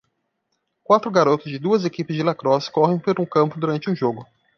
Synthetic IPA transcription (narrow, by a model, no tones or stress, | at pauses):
kwat̪ɾʊɡaɾot̪ʊzd͡ʒɪd̪uɐzekipɪzd͡ʒɪlakɾɔskɔɦẽj̃pelũkɐ̃mpʊd̪uɾɐ̃nt͡ʃɪũʒoɡʊ